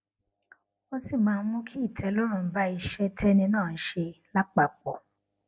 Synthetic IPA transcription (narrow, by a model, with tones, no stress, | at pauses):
o˦si˦˨mãː˨˧˦ũ˦kʰi˦i˦˨tʰɛ˨˧˦lo˦ɾ̃ũ˦˨n̩˦ba˦i˧ʃɛ˦tʰɛ˦nĩ˧nãː˦˨n̩˦ʃe˧la˦k͡pa˨k͡pɔ˨